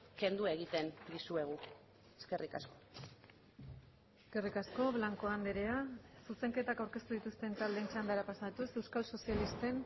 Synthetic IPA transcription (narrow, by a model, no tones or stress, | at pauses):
ke̞nd̪ueɣ̞it̪e̞nd̪isue̞ɣ̞u | eske̞rika̰sko̞̥ | eske̞rikasko̞βlaŋko̞and̪eɾeasuse̞ŋke̞t̪akawɾke̞st̪uðit̪ust̪e̞nt̪ald̪e̞nt͡ʃand̪aɾapasaðt̪use̞wskalso̞sialist̪e̞n